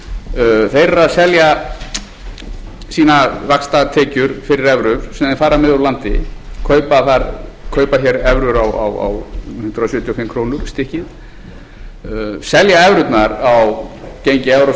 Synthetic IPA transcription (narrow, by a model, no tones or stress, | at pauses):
θejrːasɛlja | siːnavakst̪at̪ʰɛːcʏɾ̥fɪɾɪɾɛvɾʏɾ̥sɛmðɛnfaːɾamɛðuɾlant̪ɪ̰kʰœːɥpaθaɾkʰœːɥpaçɛɾɛvɾʏɾawa̰wa̰whʏnt̪ɾasjɛːt̪ʰjɔfɪmːkʰɾoːwnʏɾ̥st̪ɪhcɪð | sɛljaɛvɾʏt̪naɾawcejɲcɪɛvɾo